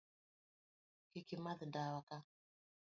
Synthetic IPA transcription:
kikimaðdawaka

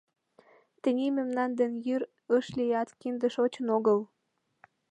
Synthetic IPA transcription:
t̪ə̆nʲimemnɑnd̪ənjyɾ | əʃlijɑt̪kind̪ə̆ʃot͡ɕənoɣəl

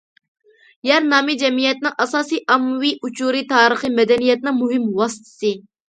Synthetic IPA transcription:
jɛɾnɑːmid͡ʒɛmijɛt̪nɨŋʔɑsɑːsiʔɑmwiʔut͡ʃʰuɾit̪ʰɑːɾəχɨmɛd̪ɛnijɛt̪̚nɪŋmuɦɪmwɑsɨ̥t̪ʰɨ̥sɨ

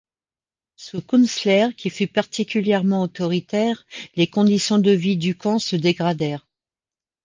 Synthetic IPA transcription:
sukunslɛʁkʲifypaʁt̪ikʲyljɛʁmɑ̃ot̪ɔʁit̪ɛʁlekɔ̃d̪isjɔ̃d̪əvid̪ykɑ̃səd̪eɡʁad̪ɛːʁ

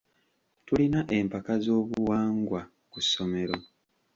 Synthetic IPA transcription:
tulinaʔempakazo̞ːβuwaːŋɡwa | kusːo̞me̞ɾo̞

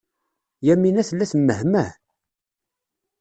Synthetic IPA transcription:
jæmːinæθəlːæsmːəhmæ

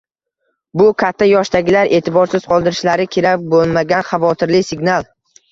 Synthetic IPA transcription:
bʊkʲʰat̪ʰːajɒʃt̪aɡʲɪlaɾe̞ːt̪ʰɪbɒɾsɪz̥qʰɒlˠd̪ɪɾɪʃlaɾɪkʲʰeɾabolˠmaɡʲanχɑvɒt̪ʰɪɾlɪsɪɡnalˠ

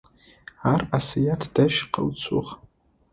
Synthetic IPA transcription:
arasijatʰd̥aʃqə̰wt͡sʷʰʼṵʁ

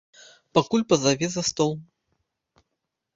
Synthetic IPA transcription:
pakulʲpɐzɐvʲezɐst̪ɔlˠ

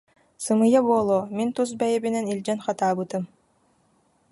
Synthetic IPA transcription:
sɯmɯjabuɔːlˠoːmint̪us̬bɛjɛbinɛnilʲd͡ʒɛnχat̪aːbɯt̪ɯm

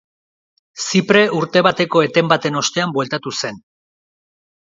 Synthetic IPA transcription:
sipɾe̞ʔuɾt̪e̞βat̪e̞ko̞e̞t̪e̞mbat̪e̞no̞st̪e̞ambwe̞lt̪at̪use̞n

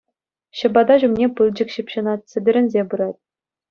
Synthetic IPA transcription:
ɕɤ̆bɑd̪ɑʑumnʲepɯlˠd͡ʑɘ̆kɕĭpʲɕɤ̆nɑt̪̚ʲsʲɘ̆bʲɘ̆ɾʲɘ̆nʲzʲebɯɾɑtʲ

